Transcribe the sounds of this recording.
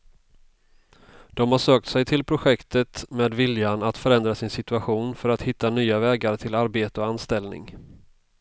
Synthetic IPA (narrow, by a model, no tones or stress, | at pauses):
d̪̥ɔmhaʂøːk̚t̪sɛjt̪ʰɪlpʰɾʊɧɛkt̪ət̪meːd̪vɪljanat̪fœɾɛnd̪ɾasɪnsɪt̪ɵaɧuːnfœɾat̪hɪt̪ːanyːavɛːɡaɾt̪ʰɪlaɾbeːt̪əɔanst̪ɛlnɪ̰ŋ